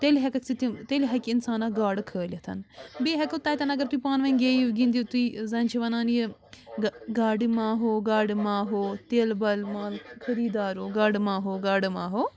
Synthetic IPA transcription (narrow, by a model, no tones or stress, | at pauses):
t̪elɦɐkɐksit̪it̪eːliɦɐkɪnsaːnaɡaːɽkʰəːlʲɐt̪ʰɐ̰nbeːɦɐkːt̪ɐːjt̪ɐnɐɡəɾt̪uiːpaːnʋɐnɡeːiɡĩnd̪iːt̪uiːzɐnʲt͡ʃʰiʋɐnãːni | ɡaːɽimãːɦoːɡaːɽimãːɦoːt̪eːlbɐlmaːlkʰɐɾiːd̪aːɾoːɡaːɖmãːɦoːɡaːɽmãːɦoː